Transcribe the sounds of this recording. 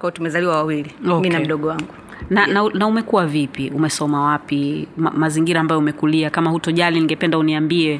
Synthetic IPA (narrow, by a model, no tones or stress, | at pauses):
kwaɔtumɛzaliwawawiliɔminam̩ɗɔɠɔwaŋɡu | nanaunaumɛkuwavipiumɛsɔmawapima̰maziŋɡiɾaːmbajɔumɛkuliakamahutɔʄaliniŋɡɛpɛndauniambiɛ